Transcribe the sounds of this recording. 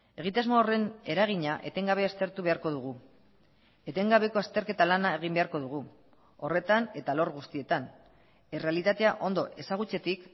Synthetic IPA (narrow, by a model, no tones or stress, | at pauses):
e̞ɣ̞it̪azmoore̞ne̞ɾaɣ̞iɲaʔe̞t̪e̞ŋɡaβ̞e̞ast̪e̞ɾt̪uβe̞aɾko̞ðuɣ̞u | e̞t̪e̞ŋɡaβe̞ko̞ast̪e̞ɾke̞t̪alanae̞ɣ̞imbe̞aɾko̞ðuɣ̞u | o̞re̞t̪ane̞t̪alo̞ɾɣust̪ie̞t̪an | ere̞alit̪at̪e̞aʔo̞nd̪o̞ʔe̞saɣ̞ut͡se̞t̪ik